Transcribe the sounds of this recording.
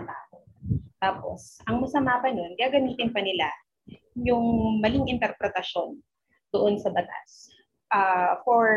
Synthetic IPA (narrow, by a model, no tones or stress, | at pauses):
ɐbaːhot̪aːpo̞̰sʔɐŋmɐsɐmaːpɐno̞nɡɪaːɡɐmiːt̪ɪnpɐnɪla | jʊŋmɐlɪŋʔɪnt̪ɛɾpɾɛt̪ɐʃo̞n | d̪̥oʔo̞nsɐbɐt̪a̰s | ʔafoɹ